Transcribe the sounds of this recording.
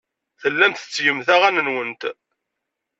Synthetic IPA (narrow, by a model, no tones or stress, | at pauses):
θəlːæmθə̥t͡sːjəmθæʁænənwənt̪